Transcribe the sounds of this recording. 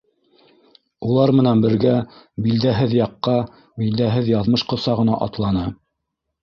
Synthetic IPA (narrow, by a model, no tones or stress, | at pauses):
ulˠɑɾmɘ̆nænbɘ̆ɾɡæ | bild̪æɦɘðjɑqːɑ | bild̪æɦɘðjɑðmɤʃqɤ̆sɑʁɤ̆nɑ̰ʔɑ̰t̪lˠɑnɤ